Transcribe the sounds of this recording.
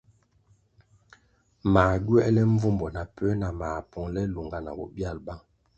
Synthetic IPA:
maː˨ɡɥɛ˦ʔlɛ˦ɱ˦vu˦mbɔ˨na˨pɛ˦na˨maː˨pɔ˨ŋlɛ˦lu˨ŋɡa˦na̰˨wɔ˦bja˦˨lba˦˨

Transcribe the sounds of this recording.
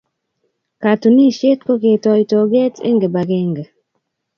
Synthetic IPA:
ka˨tu˨ni˦ʃe˦t̚ko˦ɡe˨tɔ˨ito˨ɡe˦tʰḛ˦ŋɡe˨ba˨ɡe˦ŋɡe˨

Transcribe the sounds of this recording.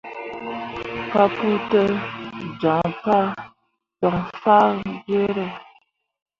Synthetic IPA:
pa˦pu˦tə˦d͡ʒɔ̃˨ŋpa˦˨ | tɔ˨ŋfa˦ɾɡe˦ɾə˦˨

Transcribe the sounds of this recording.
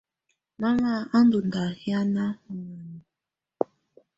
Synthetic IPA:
na˦la˦˨a˦n˦du˨nda˨hi˦a˦na˦u˨ŋa˨n˨

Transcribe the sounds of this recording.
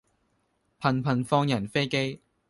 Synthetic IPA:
pʰɐ˨˩npʰɐ˨˩nfɔː˧ŋjɐ˨˩nfe˥jke˥j

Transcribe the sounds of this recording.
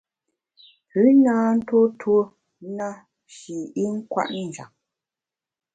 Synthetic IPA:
pʉ˨˦naː˦n̩˦two˦tʰwo˦ | na˦ | ʃi˨i˦ŋ̩˦kwa̰˦˨ʔn˦˨n̩˨d͡ʒa̰˨ŋ

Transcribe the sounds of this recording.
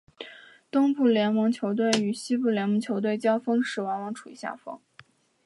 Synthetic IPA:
t̪ʊ˥ŋpu˥˩ljɛ˧˥nmɤ˧˥ŋt͡ɕʰjo˧˥ʊt̪̬we˥˩ɪy˨˩ɕi˥pu˥˩ljɛ˧˥nmɤ˧˥ŋt͡ɕʰjo˧˥ʊt̪we˥˩ɪt͡ɕjɑ˥ʊfɤ˥ŋʂɻ̩˨˩wɑ˧˥nwɑ˧˥ŋʈ͡ʂʰu̥˨˩ḭ˧˥ɕja̰˥˩fɤ̰˥ŋ

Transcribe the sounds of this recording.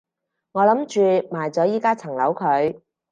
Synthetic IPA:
ŋɔː˨˧lɐ˨˥mt͡ʃyː˨˧maː˨˩jt͡sɔː˨˥jiː˥kaː˥t͡sʰɐ˨˩ŋlɐ˨˥wkʰɵ˨˧ɥ

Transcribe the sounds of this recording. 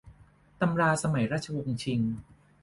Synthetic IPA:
t̪a˧mɾaː˧sa˧ma˨˩˦jɾa˦˥t̪̚t͡ɕʰa˧wo˧ŋt͡ɕʰi˧ŋ

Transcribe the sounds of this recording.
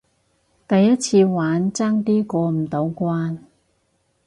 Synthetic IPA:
t̪ɐ˨jːɐ˥t̚t͡sʰiː˧waː˨˥nt͡saː˥ŋt̪iː˥kɔː˧m̩˨˩t̪o˨˧˥wkʷaː˥n

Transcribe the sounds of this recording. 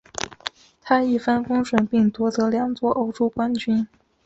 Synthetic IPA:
t̪ʰa˥i˥˩fə˥˩nkʊ˥ŋʂwə˨˩˥npi˥˩ŋt̪wɔ˧˥t͡sɤ˧˥ljɑ˨˩ŋt͡swɔ˥ʔo˥ʊʈ͡ʂo˥kwa˥nt͡ɕy˥n

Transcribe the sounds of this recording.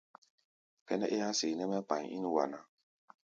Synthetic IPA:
kɛ˦nɛ˦ʔe˦ja˦se˨nɛ˦mɛ˦k͡pã˨ɲḭ˦n˦wa̰˨na˨

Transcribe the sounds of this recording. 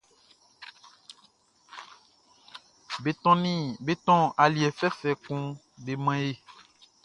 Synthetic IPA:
be˨tɔ̃˦nĩ˦be˦t̪ɔ̃˦a˨li˨ɛ˨fɛ˦fɛ˨kũ˦ | be˨mɛ̃˦je˦

